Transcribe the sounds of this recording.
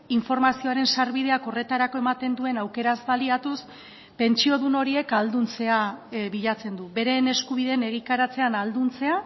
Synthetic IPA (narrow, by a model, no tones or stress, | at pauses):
iɱfo̞ɾmasio̞aɾe̞nsaɾβið̞e̞ako̞re̞t̪aɾako̞emat̪e̞nd̪ue̞nawke̞ɾazβaliat̪us | pe̞nt͡ʃio̞ðuno̞ɾie̞kald̪unt͡se̞aβiʎat͡se̞nd̪uβe̞ɾe̞ne̞skuβiðene̞ɣ̞ik̪aɾat͡se̞anald̪unt͡se̞a